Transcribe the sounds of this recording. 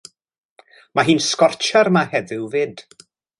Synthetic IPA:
maɦiːnskɔrt͡ʃʰaɾmahɛðɪwvɪd̥

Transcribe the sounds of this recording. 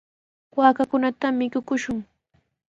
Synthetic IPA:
waːkakʊnat̪amːɪkʊkʊʃʊŋ

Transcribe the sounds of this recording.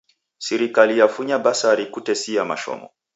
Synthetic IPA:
sɛɾikalijafuɲabasaɾikutɛsijama̰ʃɔ̰mɔ̰

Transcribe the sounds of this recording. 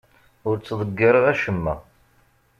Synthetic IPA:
ʊɾt͡sːðˤəɡːəɾˤəʁæʃəmːæ̰

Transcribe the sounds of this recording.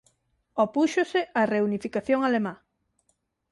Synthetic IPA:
opuʃosɪareunifikaθjoŋalemã

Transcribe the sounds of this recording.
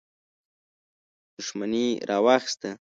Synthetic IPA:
d̪̥ʊʃmaniɾʔɑwaxst̪a

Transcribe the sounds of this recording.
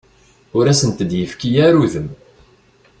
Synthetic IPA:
ʊɾæsənt̪əd̪jəfkijæɾuðəm

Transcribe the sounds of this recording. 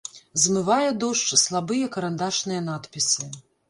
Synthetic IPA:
zmɨvajɛd̪ɔʂt͡ʂslˠabɨjɐkɐɾand̪aʂnɨjɛnat̪pʲisʲi

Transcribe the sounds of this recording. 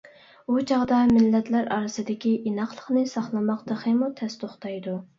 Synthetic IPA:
ut͡ʃʰɑʁd̪ɑmɪlːɛt̪læɾɑ̰ɾɨsɨd̪ɪkʲiʔinɑχlˠəχnɨsɑχlˠɨmɑqd̪̥əχɨmut̪ʰɛst̪ʰoχt̪ʰɑjd̪u

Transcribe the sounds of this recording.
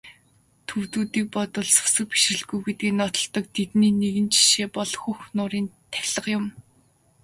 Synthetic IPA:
t̪ʰɵwt̪uːt̪iːk̚pɔt̪ɞ̆ɮsʊ̥sə̆k̚pi̥ʃrɘ̆ɮɡujɡet̪̚ɡiːnɔt̪ɞ̆ɬɮt̪ɞ̆k̚t̪ʰet̪niːneɣɘ̆nt͡ɕʰi̥ʃeːpɔɮxuxnʊːɾiːnt̪ʰæ̥xʲɮə̆qjʊm

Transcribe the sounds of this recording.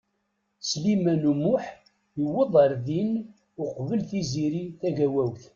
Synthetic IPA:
slimænumʊħ | jəwːəðˤəɾðin | ʊqvəlθiziɾiθæʝæwæwθ

